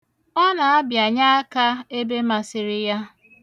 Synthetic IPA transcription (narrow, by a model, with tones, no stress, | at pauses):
ɔ˦na˨a˦bja˨ɲa˦a˦ka˦e˦be˦ma˨sɪ˨ɾɪ˦ja˦